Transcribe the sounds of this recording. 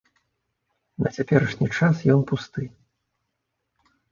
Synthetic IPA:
nɐt͡sʲapʲɛɾɐʂnʲit͡ʂasjɔnpust̪ɨ

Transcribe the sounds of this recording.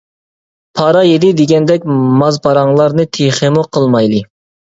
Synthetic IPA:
pʰɑɾɑjed̪ɪd̪eɡʲɛnd̪ɛk̚ʲmɑzpʰɑɾɑŋlˠɑɾnɨt̪ʰeχemuqʰəlˠmɑjlˠɨ

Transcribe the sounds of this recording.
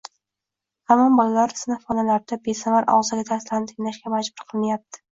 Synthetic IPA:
hamɒmbɒlalaɾsɪnafɒnalaɾd̪abesavaɾʔɒ̰ʁzɪɡʲat̪ʰaɾslaɾnɪt̪ʰɪŋʲlaʃɡʲamad͡ʒbʊɾqʰɨlˠmajap̚t̪ʰɪ̥

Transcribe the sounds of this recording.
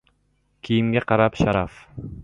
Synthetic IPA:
kʲʰijɪmɡʲaqʰɑɾapʃaɾaf

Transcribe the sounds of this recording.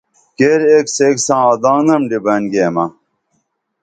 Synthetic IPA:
keːɾekseksãːd̪ãːŋɡɐmɖibɐnɡeːmɐ

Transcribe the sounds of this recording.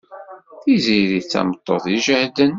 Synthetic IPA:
θiziɾit͡sːæ̰mət̪ˤːoðˤiʒəhd̪ən

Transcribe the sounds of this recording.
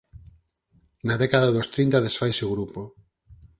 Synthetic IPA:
naðekaðaðost̪ɾint̪aðesfajseuɣɾupo

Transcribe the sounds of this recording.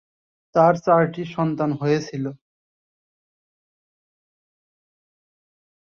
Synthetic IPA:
t̪aɾt͡ɕaɾʈiʃɔnt̪anɦojet͡ɕʰilo

